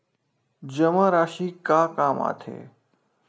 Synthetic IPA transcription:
d͡ʑəmaɾaːʃiːkaːkaːma̰ːt̪ʰḛː

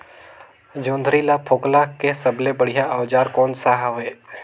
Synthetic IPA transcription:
d͡ʒõːnd̪ʱɾilapʰoːklakesəbʱlebəɽ̤ɪjaʔəʋd͡ʒaːɾkoːnsaɦaɦeː

